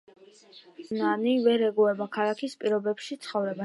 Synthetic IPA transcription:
nanivɛɾɛɡuɛbakʰalˠakʰispʼiɾɔbɛpʃit̪sʰχɔvɾɛba

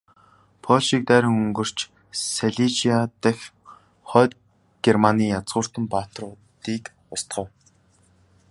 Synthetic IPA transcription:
pʰɔɮʃik̚t̪æːɾə̆ŋɵŋɡɵ̆r̥t͡ɕ | seɮit͡ɕiat̪æx | χœːt̪̚ | ɡ̥ermaniːjat͡sʁʊːr̥t̪ə̆mpaːt̪ə̆rʊt̪iːk | ʊst̪χə̆w

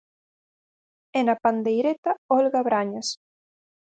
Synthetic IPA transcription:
enapand̪ejɾet̪aɔlɣaβɾaɲas

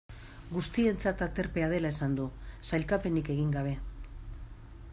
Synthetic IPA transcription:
ɡust̪ie̞nt͡sat̪at̪e̞ɾpe̞að̞e̞laesand̪usajlkape̞nike̞ɣ̞iŋɡaβ̞e̞

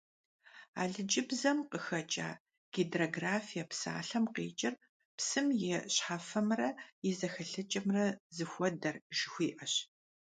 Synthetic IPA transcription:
a̰ːɮɨd͡ʒɪbzɐmqəxɐt͡ʃʼa̰ː | ɡ̥edroɡraːfijɐpsa̰ːɬɐmqḛːt͡ʃʼɪr | psɨmjɛɕħafɐmrɐjɛzɐxɐɬɨt͡ʃʼɐmrɐzɨxʷɔdɐrʒɪxʷiːʔɐɕ

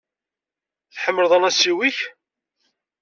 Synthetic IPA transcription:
θħəmːəlðˤɑnæsiwiç

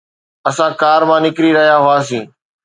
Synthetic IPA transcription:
ɐsãkaːɾmãːnɪkɾiɾɐɦijaɦʊaːs̬ĩː

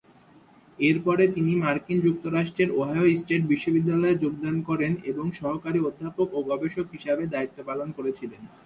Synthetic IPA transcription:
eɾpɔɾet̪inimaɾkind͡ʑuk̚t̪oɾaʃʈɾeɾoɦajoisʈeʈ̚biʃːobid̪ːalɔed͡ʑoɡd̪ankɔɾeneboŋʃɔɦokaɾiod̪ʱːapokoɡɔbeʃokɦiʃebed̪ait̪ːopalonkoɾet͡ɕʰilen

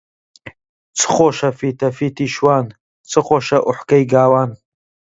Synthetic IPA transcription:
t͡sʰɨ̥χoʃɐfiːt̪ʰɐfiːt̪ʰiʃwaːn | t͡sʰɨχoʃɐʔʊħkɐjɡaːwaːn

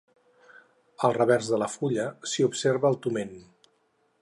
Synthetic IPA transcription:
əlˠrəβɛrzðələfuʎəsiupseɾβəːlˠt̪umen

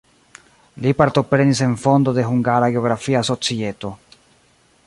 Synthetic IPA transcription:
lipaɾt̪o̞pɾe̞nise̞nfo̞nd̪o̞d̪e̞ɦuŋɡaɾaɡeo̞ɣɾafiaso̞t͡sie̞t̪o̞

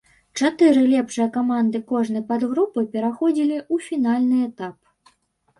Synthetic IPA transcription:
t͡ʂat̪ɨɾɨlʲɛpʂɨjɐkamand̪ɨkɔʐnɨpad̪ɣɾupɨpʲɛɾaxɔd͡zʲilʲiufʲinalʲnɨɛt̪ap

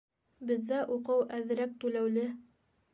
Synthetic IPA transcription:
bɘ̆ðːæʔuqɤwʔæðɘ̆ɾæk̚t̪ʉlæwlɘ

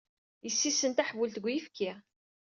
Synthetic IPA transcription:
jəsːisːənt̪aħvult̪əɡʷːjifkʰːi

